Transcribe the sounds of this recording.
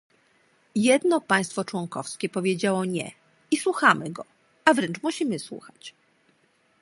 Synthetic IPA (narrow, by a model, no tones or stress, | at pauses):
jɛd̪nɔpãj̃st̪fɔt͡ʂwɔŋkɔfskʲɛpɔvʲjed͡ʑawɔɲɛ̰ | iswuxamɘɡɔ | avɾɛnt͡ʂmuɕimɘswṵxat͡ɕ